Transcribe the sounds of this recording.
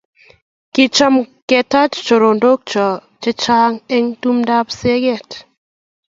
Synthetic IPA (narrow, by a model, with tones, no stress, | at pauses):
kɪ˦t͡ʃɔ˦mkɛ˨ta˦t͡ʃt͡ʃo˨ɾo˨ndo˦k̚t͡ʃɔ˨ | t͡ʃe˦t͡ʃa˦ŋɛ˦ŋtu˦mda˦pse˦ɡɛ˦˨t